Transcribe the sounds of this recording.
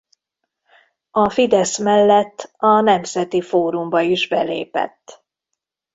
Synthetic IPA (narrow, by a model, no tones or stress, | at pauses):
ɒfid̪ɛsmɛlːɛt̪ːɒnɛmzɛt̪ifoːɾumbɒiʒbɛlḛːpɛ̰t̪ː